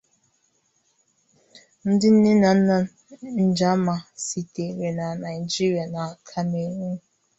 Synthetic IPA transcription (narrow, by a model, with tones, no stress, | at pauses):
n̩˦dɪ˦n̩˦ne˦na˨n̩˦na˦ | n̩˨d͡ʒa˦ma˨si˨te˨ɾe˨na˨na˨ɪ˨d͡ʒi˦ɾja˨na˨a˨kʰa˦me˨ŋʷu˦